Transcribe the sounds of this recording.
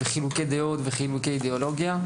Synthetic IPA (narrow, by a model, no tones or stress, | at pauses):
veχilukejd̪eot̪veχilukeid̪eolo̞ɡja